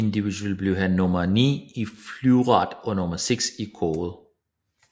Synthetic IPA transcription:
end̥iʋid̥uɛlb̥liɦænːɔmɐnḭːiflyʊʁɑ̰̈ːd̥ɒ̽nɔ̽mɐseɡ̥sikʰɔːð̩ˠ

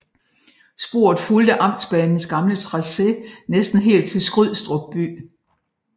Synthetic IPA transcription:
sb̥o̝ɐ̰ð̞̩ˠfuld̥əʔɑ̈m̰d̥sb̥ɛːnn̩sɡ̥ɑ̈mlət͡sʰʁɑ̈se̝nesd̥n̩ɦe̝̰ːld̥̚t͡sʰe̝lsɡ̥ʁyð̰ˠsd̥ʁɔɡ̥̚b̥y̰ː

